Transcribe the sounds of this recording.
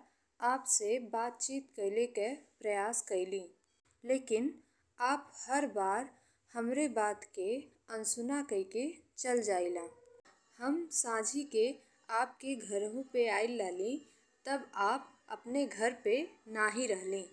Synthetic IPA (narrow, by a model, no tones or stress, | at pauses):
aːpsebaːt̪̚t͡ʃiːt̪kəɪlekepɾəjaːskəɪlĩː | leːkɪn | aːphəɾbaːɾ | həmɾebaːt̪ke | ənsʊnakəiket͡ʃəld͡ʒaːilaː | həmsãːd͡ʒʱike | aːp̚keɡʱəɾõpeaːɪlːaɦlĩ | t̪əbaːpə̰pneɡʱəɾpenaːɦiɾəɦlĩː